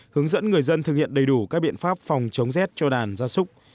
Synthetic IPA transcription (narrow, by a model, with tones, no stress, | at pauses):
hɨ˨˦əŋzə̰˧˥nŋɨ˨˩əjzə˧nt̪ɨ˨˩k̚hḭ˧˨ənɗə˨˩jɗu˧˩kaː˦˥k̚ɓḭ˧˨ənfaː˦˥p̚fa˨˩wŋ͡mt͡ɕə˨˦wŋ͡mzɛ˦˥t̚t͡ɕɔ˧ɗaː˨˩nzaː˧sʊ˦˥k͡p̚